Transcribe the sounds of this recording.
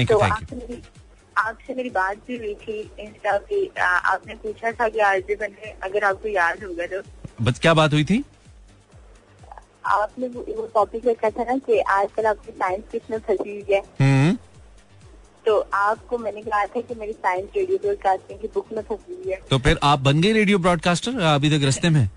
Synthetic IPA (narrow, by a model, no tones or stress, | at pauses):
ɛ̃ŋkt̪õaːkːsemeːɾi | aːpsemeːɾibaːt̪̚bʱiɦʊit̪ʰiɪnsʈaːkia̰ːpnẽpuːt͡ʃʰat̪ʰakeaːɾd͡ʒebɐneɐɡəɾaːp̚kojaːd̪ʱɦoːɡad̪oːbɐskjaːbaːt̪ɦʊit̪ʰiː | a̰ːpnẽʋoʈɔːpikɐkʰat̪ʰanakiʔaːd͡ʒkɐlaːp̚kisaːɪ̃nskɪsmẽpʰɐsiɦiɛːɦũ | t̪oːʔaːp̚komɛ̃ːnekɐɦat̪ʰakimeːɾisaːɪ̃nsɾeːɖijokoːɾkaːt̪ẽɦɛ̃kibʊkʰmẽpʰɐsiɦiɦɛːt̪oːpʰɪɾʔaːp̚bɐnɡəiɾeːɖijopɾɔːɖ̚kaːsʈəɾɐbʱit̪ɐkɾɐst̪emẽː